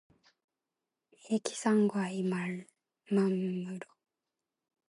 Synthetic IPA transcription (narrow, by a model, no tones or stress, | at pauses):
ekʲi̥sãŋɡoaimaɾɯ | mamːɯɾo